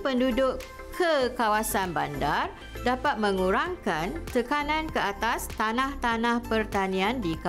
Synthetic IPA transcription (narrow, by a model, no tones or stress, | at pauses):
pəndudʊʔ | kʰəkawasanbandar | dapat̪̚mə̃ŋuɾaŋkant̪əkanãnkəat̪ast̪anãht̪anãhpərt̪anĩãndika